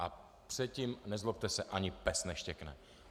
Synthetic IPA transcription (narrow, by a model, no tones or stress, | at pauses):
ʔa | pr̥ɛt̪cimnɛzlop̚t̪ɛsɛʔaɲɪpɛsnɛʃcɛknɛ